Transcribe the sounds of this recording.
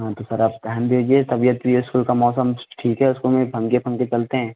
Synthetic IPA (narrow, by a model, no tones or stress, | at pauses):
ɦãːt̪osɐɾaːp̚t̪ɛɦɛnd̪ed͡ʒiet̪ɐbijət̪bʱieɪskuːlkamɔːsəmʈʰiːkɦɛʊskomẽpʰɐ̃ŋkebʰʱɐ̃ŋket͡ʃɐlt̪eɦɛ̃ː